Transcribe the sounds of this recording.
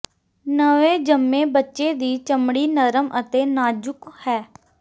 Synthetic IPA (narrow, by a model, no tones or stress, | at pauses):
nəʋẽːd͡ʒəmːẽːbətːʃeːd̪iːt͡ʃəmɽiːnəɾəmʔət̪eːnaːd͡ʒʊkhɛː